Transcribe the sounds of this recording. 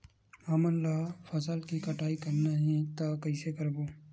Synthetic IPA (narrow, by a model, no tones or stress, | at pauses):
ɐːmənlaːfʰəsəlkikəʈʰaːikəɾnaɦẽt̪aːkəɪsekəɾboː